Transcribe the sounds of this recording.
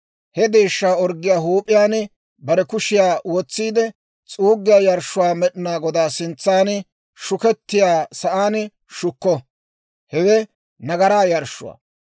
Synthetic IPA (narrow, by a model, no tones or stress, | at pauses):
hɛd̪eːʃːaːɔɾɡːɪjaːɦuːpʼːɪjaːn | bɐɾɛkʊʃɪjaːwɔt͡sːiːd̪ɛ | t͡sʼuːɡːɪjaːjɐɾʃːʊwaːmɛɗɪnaːɡɔd̪aːsɪnt͡sːaːn | ʃʊkɛt̪ːɪjaːsɐʔaːn | ʃʊkːɔ | hɛwɛ | nɐɡɐɾaːjɐɾʃːʊ̰wa̰ː